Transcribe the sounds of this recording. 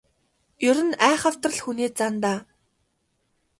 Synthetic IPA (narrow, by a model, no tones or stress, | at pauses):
jʊɾɘ̆næːχə̆w̥t̪rə̆ɮxuniːt͡sant̪aː